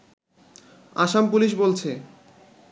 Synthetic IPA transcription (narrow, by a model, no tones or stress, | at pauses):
aʃampuliʃbolt͡ɕʰe